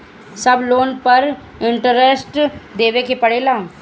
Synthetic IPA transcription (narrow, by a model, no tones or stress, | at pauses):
səbloːnpəɾ | ɪɳʈəɾesʈd̪eːʋekepəɽeːlaː